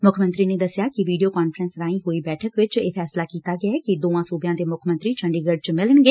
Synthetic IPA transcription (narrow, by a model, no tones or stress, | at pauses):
mʊkʰmənt̪ɾiːneːd̪əsɪjaːkɪʋiːɖijoːkaːnfəɾənsɾãːĩːɦoːiːbɛːʈʰəkʋɪt͡ʃeːpʰɛːslaːkiːt̪aːɡɪaɛːkɪd̪oːãːsuːbjãːd̪eːmʊkʰmə̃nt̪ɾiːt͡ʃʰəɳɖiːɡəɖ̚t͡ʃmɪləɳɡeː